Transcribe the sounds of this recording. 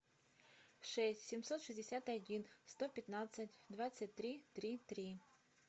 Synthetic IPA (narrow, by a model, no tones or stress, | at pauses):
ʂɛsʲtʲsʲɪmsot̪ʂɨzʲdʲɪsʲat̪ɐdʲinst̪opʲɪt̪nat̪sətʲd̪vat̪sət̚ʲt̪ɾʲit̪ɾʲit̪ɾʲi